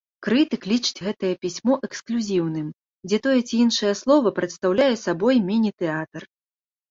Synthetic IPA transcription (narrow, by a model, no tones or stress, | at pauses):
kɾɨt̪ɨklʲit͡ʂɨ̥t͡sʲɣɛt̪ɐjɐpʲisʲmɔʔɛksklʲuzʲiwnɨm | d͡zʲɛt̪ɔjɛt͡sʲiinʂɐjɐslˠɔvɐpɾɐt̪st̪awlʲajɛsabɔjmʲinʲit̪ɛat̪ɐr